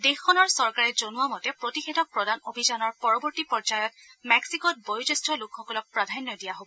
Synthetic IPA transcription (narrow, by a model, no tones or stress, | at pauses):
dexɔnɔɹsɔɹkaɹɛzonuwamɔtɛpɹotixedʱɔk̚pɹɔdanobʱizanɔɹpɔɹɔbɔɹtipɔɹd͡ʒajɔt̚ | mɛksikɔt̚bojud͡ʒestʰɔlʊkxɔkɔlɔk̚pɹadʱanːɔdijaɦobɔ